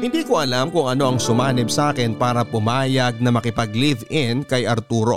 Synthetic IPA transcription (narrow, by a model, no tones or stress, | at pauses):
hɪnd̪iːkoʔɐlamkʊŋɐno̞ʔɐŋsʊmaːnɪbsaːkɪnpaːɾɐpʊmaːjɐɡ̚nɐmɐkɪpɐɡlivɪnkɐjʔɐɾt̪uːɾo̞̰